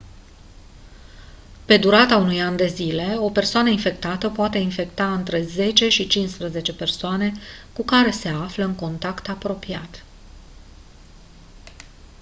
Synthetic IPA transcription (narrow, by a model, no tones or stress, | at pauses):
pe̞d̪uɾat̪aunujand̪e̞zile̞o̞pe̞rsoanəinfe̞kt̪at̪əpoat̪e̞infe̞kt̪aɨnt̪ɾe̞ze̞t͡ʃe̞ʃit͡ʃinspɾəze̞t͡ʃe̞pe̞rsoane̞kukaɾe̞se̞afləɨŋko̞nt̪akt̪apɾo̞piat̪